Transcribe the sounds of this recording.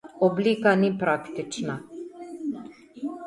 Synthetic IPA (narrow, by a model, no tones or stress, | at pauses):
ɔblikanipɾakt̪it͡ʃna